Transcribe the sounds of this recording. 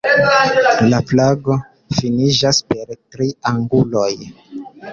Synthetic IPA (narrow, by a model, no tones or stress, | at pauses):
laplaɡo̞ | finid͡ʒaspe̞ɾtɾiaŋɡulo̞j